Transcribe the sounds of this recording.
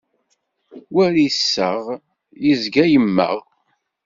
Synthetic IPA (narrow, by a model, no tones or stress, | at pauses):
wæɾisːəʁ | jizɡæjəmːə̰ʁ